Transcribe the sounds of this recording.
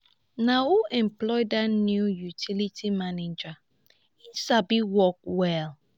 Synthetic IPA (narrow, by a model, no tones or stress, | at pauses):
nawuʔɛ̃mplɔɪdatnjujutʰilitʰimaned͡ʒa | isabiwɔk̚wɛl